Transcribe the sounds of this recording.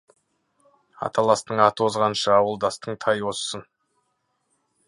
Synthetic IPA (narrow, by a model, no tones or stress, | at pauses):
ɑ̰t̪ʰɑlˠɑst̪əɴɑt̪əwozʁɑnʃəɑwəlˠd̪ɑst̪əɴt̪ʰɑjwo̞ssən